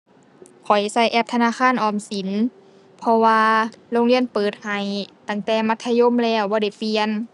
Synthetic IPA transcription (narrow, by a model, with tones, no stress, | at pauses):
kʰɔ˨˩jsa˧˩jʔɛ˧p̚t̪ʰa˧naː˧˥˨xʰaː˧˥˨nʔɔː˧˩msi˨˦n | pʰɔ˧waː˧loː˧˥ŋli˧˥ənpɤː˨˩t̪̚ha˨˩jt̪a˧˩ŋt̪ɛː˧˩ma˧˥t̪ʰːa˧jo˧˥˨mlɛː˧˩˨wbɔː˧da˧˩jfi˧ən